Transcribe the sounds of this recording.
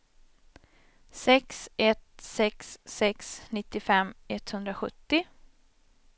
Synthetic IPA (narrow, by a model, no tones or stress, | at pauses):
sɛksɛt̪sɛksːɛksnɪt̪ːɪfɛmːɛt̪ːhɵnd̪ɾaɧɵt̪ːɪ